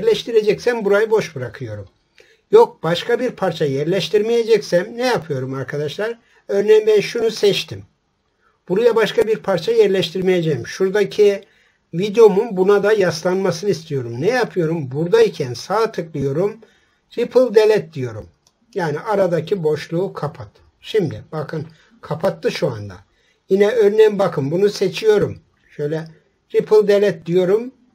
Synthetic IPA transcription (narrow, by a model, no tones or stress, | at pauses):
ɾlʲɛʃt̪ʰiɾed͡ʒɛcsæmbuɾajɯbo̞ʃbɯɾakʰɯjo̞ɾum | jok̚b̥aʃkabiɾpʰaɾt͡ʃʰajɛɾlʲɛʃt̪ʰiɾmejed͡ʒɛcsæmnɛjapʰɯjo̞ɾumaɾkʰad̪aʃlˠaɾ | øɾnejinbænʃunusɛt͡ʃt̪ʰim | b̥uɾujabaʃkabiɾpʰaɾt͡ʃʰajɛɾlʲɛʃt̪ʰiɾmejed͡ʒɛjmʃuɾd̪acʰi | vid̪eo̞munbunad̪ajaslˠanmasɯnɯist̪ʰijo̞ɾumnɛjapʰɯjo̞ɾumbuɾd̪aicʰænsaːt̪ʰɯklˠɯjo̞ɾum | ɾipʰɯlˠd̪elʲɛt̪̚d̪ijo̞ɾum | jaːniʔaɾad̪acʰibo̞ʃlˠuːkʰapʰat̪ | ʃimd̪ibakʰɯn | kʰapʰat̪ːɯʃua̰nd̪a̰ | jinɛøɾnejmbakʰɯmbunuse̞t͡ʃʰijo̞ɾum | ʃøjlʲɛ | ɾipʰɯlˠd̪elʲɛt̪̚d̪ijo̞ɾum